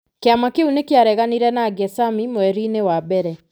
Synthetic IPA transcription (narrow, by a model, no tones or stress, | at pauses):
keamakeunekeaɾɛɣaniɾɛnaːɡɛsamimowɛɾinewabɛɾɛ